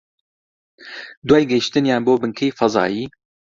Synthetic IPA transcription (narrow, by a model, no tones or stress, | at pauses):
d̪wajɡɛhiʃt̪ɨnjaːnboːbɨŋkʰeːjfɐzɑ̰ːjiː